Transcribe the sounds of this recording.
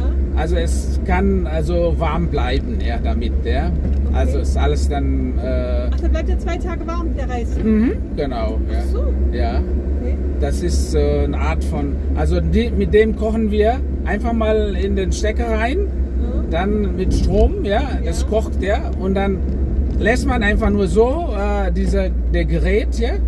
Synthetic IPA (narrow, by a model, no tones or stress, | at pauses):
ʔalzoɛs | kʰanalzovaɐmblaɪbn̩jaːdamɪt̚daːʔa̰lzoɛsʔaləsd̥anʔɛːd̥ablaɪtdiɐt͡sv̥aɪtʰaːɡəvaɐmdeːɐʁaɪsm̩hm̩ | ɡ̥ənaʊjajaː | d̥asɪstɛːnəʔaːɐtfɔn | ʔalzodiːmɪt̚d̥eːmkʰɔχn̩viːɐ | ʔaɪnfaχmaːlɪndeːnʃtɛkəʁaɪnd̥anmɪtʃtʁ̥oːmjaːd̥askʰɔxtjaːɐ | ʊntd̥an | lɛstmanʔaɪnfaχnuːɐzoː | ʔɛːdiːzə | d̥eːɐɡəʁɛːtʰja